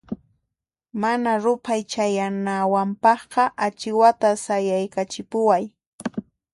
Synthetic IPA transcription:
manaɾʊpʰajt͡ʃajanawampɑχqɑʔat͡ʃɪwat̪asajajkat͡ʃɪpʊwaj

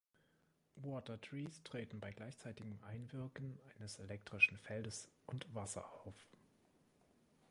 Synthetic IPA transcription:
wɔːtɐtʁ̥iːstʁ̥eːtn̩baɪɡlaɪçt͡saɪtɪɡəm̩ʔaɪnvɪɐkn̩ʔaɪnəselɛk̚tʁ̥ɪʃn̩fɛldəsʔʊntv̥asɐ̰aʊf

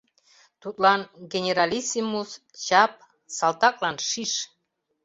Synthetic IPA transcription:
t̪ut̪lɑnɡenʲeɾɑlʲisʲimus | t͡ɕɑp̚ | sɑlt̪ɑk̚lɑnʃiʃ

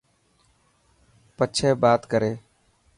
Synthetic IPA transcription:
pət͡ʃʰeːbaːt̪kəɾeː

